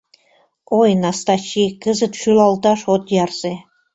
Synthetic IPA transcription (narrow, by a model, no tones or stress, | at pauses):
ojnɑst̪ɑt͡ɕikəzə̆t̪ʃylɑlt̪ɑʃot̪jɑrz̥e